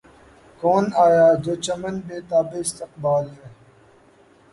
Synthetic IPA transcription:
koːnaːjaːd͡ʑoːt͡ɕɐmɐnbeːt̪aːbeɪst̪ɪq̚baːlɾeː

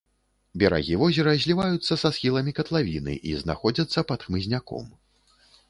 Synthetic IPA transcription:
bʲɛɾa̰ɣʲivɔzʲɛɾɐzʲlʲivajut̪sːɐsasxʲilˠɐmʲikɐt̪lˠavʲinɨ̰ʔḭzna̰xɔd͡zʲɐt̪sːɐpɐt̪xmɨzʲnʲakɔ̰m

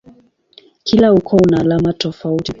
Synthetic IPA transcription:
kʰilaukʰɔunaːlamatɔfauti

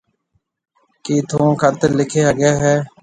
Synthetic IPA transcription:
kiːt̪ʰõːkʰət̪lɪkʰeːɦəɡeːɦɛː

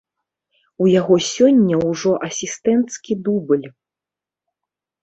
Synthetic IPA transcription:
ujaɣɔsʲɔnʲːɐwʐɔʔɐsʲist̪ɛnt̪skʲid̪ubɨlʲ

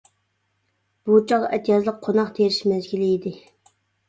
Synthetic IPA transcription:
b̥ut͡ʃʰɑʁɑʔet̪ʰijɑzlˠəq̚qʰonɑqt̪ʰeɾɪʃmɛzɡʲilɪid̪ɪ

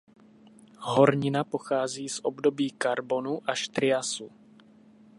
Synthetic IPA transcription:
ɦo̞ɾɲɪnapo̞xaːziːsʔobdo̞biːkaɾbo̞nuʔaʃt̪ɾɪjasu

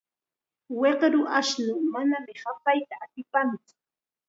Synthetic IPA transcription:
weqɾʊʔaʃnʊmanamɪhapajt̪aːt̪ɪpant͡sʊ̥

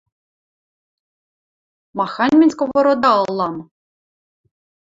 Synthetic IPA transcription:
mɑxɑnʲmʲinʲsʲkoβoɾod̪ɑːlˠːɑm

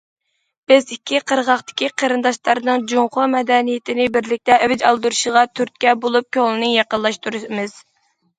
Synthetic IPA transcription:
b̥ɪzikʲʰːiqʰəɾʁɑχt̪ɪ̥kʲʰiqʰəɾɨnd̪ɑʃlˠɑɾnɨŋd͡ʒuŋqʰʊmɛd̪ɛnijɪt̪ʰɪnɪbɪɾlɪk̚ʲt̪ɛʔɛvɪd͡ʒɑlˠd̪uɾuʃʁɑt̪ʰyɾt̪̚kʲɛbolˠup̚kʲøŋlˠɨnɨŋjɑqəlˠɑʃt̪uɾɨmɨz̥

